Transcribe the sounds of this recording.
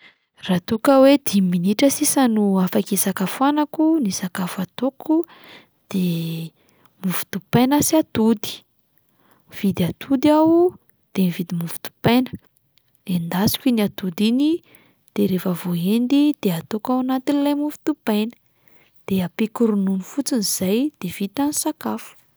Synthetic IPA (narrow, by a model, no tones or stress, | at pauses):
rat̪ukəwed̪iminiʈ͡ʂəsisənuafakisakafanakunisakafuat̪okʰu | d̪̥e | mufu̥t̪upejnəsiat̪ud̪i̥ | v̥id̪iat̪ʰud̪aw | d̪̥enivid̪imufu̥t̪u̥pajnə̥ | lend̪asi̥kʲiniat̪ud̪ini | d̪̥eɾefəvoend̪id̪̥eat̪okawanat̪inilajmufi̥t̪upajnə̥ | d̪̥eapekuɾununifut͡siniz̥ajd̪̥ev̥it̪anisakafu̥